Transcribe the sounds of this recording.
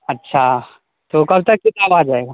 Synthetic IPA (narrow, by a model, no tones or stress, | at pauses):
ɐtːʃʰa | t̪okɐbʱt̪ɐk̚ːɪt̪abad͡ʒaːeɡaː